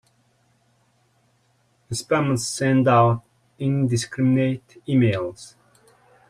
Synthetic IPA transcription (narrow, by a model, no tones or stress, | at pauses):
ɨspɛmə̃nsɛ̃ndaʊt | ɪ̃ndɨskɹɪmɪneɪtimeɪlˠz̥